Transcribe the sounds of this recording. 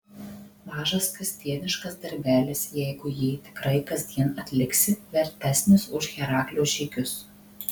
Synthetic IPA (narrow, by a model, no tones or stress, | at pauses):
mɑːʒɐskɾʲɪsʲt̪ʲiɛnʲɪʃkɐsd̪ɐɾʲbʲæːlʲɪsjɛɪɡʊjiːt̪ʲɪ̥kɾɐɪkɐzʲd̪ʲiɛnɐt̪ʲlʲɪksʲɪʋʲɛɾʲt̪ʲæːsʲnʲɪsʊʃɣʲɛɾɑːklʲoːʃʲɛɪkʲʊs